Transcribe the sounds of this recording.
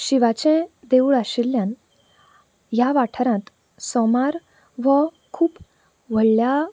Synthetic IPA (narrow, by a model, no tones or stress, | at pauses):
ɕiʋat͡ɕɛ̃d̪eɭaɕiljãn | jaʋaʈʰəɾãt̪ | sɔmaɾ | ʋə | kʰuːp | ʋ̤əɭlja